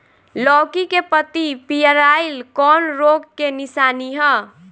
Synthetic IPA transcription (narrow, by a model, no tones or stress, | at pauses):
lɔkikepət̪ipijəɾailkɔnɾoɡkenisaniɦɔ